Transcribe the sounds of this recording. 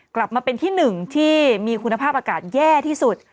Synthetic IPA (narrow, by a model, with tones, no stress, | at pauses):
kla˨˩p̚maː˧pe˧nt̪ʰiː˥˩nɯ˨˩ŋt̪ʰiː˥˩miː˧kʰu˧nːa˧pʰaː˥˩p̚ʔaː˧kaː˨˩t̪̚jɛː˥˩t̪ʰiː˥˩su˨˩t̪̚